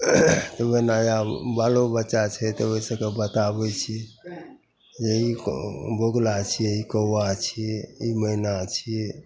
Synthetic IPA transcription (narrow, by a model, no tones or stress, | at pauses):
t̪əbənajabalobətːʃat͡ʃʰɛt̪ɔoisə̃kebət̪abɛt͡ʃʰi | d͡ʒeiboɡlat͡ʃʰieikəwat͡ʃʰiiməinat͡ʃʰi